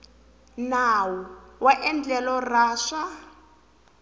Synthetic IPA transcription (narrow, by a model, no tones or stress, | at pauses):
nawɔwaʔɛnd͡ɮɛlɔraːʂa